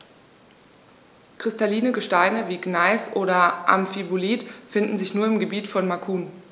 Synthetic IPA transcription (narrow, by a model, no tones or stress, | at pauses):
kʁ̥ɪstaliːnəɡəʃtaɪnəviːɡnaɪsʔoːɾɐʔa̰mfiboliːtfɪndn̩zɪçnuːɐɪmɡəbiːtfɔnmakʰuːn